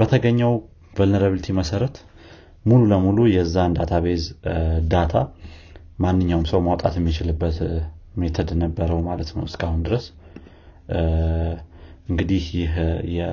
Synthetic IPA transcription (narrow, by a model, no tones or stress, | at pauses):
bət̪ʰəɡəɲːəw | vəlnəɾəβɨlt̪ʰiməsəɾət̪ | mululəmulujɛzːand̪at̪ʰaβezd̪at̪ʰa | manːɨɲːawmsəwmawt̪ʼa̰t̪jɛmːit͡ʃɪlɨbːət̪met̪ʰəd̪nəbːəɾəwmalət̪nəwɨskʼahund̪ɨɾəs | ʔɨŋɡɨd̪ihjɪɦjɛ